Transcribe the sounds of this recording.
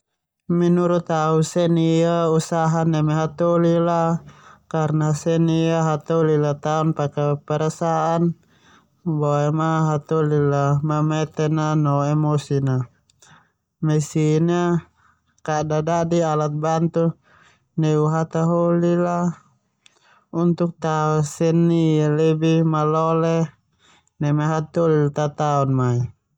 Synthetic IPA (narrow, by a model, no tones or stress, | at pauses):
minuɾut̪ausɛniausaɦanɛmɛɦat̪ɔlilakarnasɛniaɦat̪ɔlilat̪aunpakapɛɾasaʔan | bɔɛmaɦat̪ɔlilamamɛt̪ɛnanɔɛmɔsina | mɛsina | kadadadialat̪̚bant̪u | nɛuɦat̪aɦolila | unt̪uk̚t̪aɔsɛnːilɛbimalɔlɛ | nɛmaɦat̪olilt̪at̪aɔnmai